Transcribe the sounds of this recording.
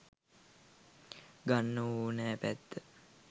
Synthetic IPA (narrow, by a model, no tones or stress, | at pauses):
ɡanːəuːnæːpæt̪ːə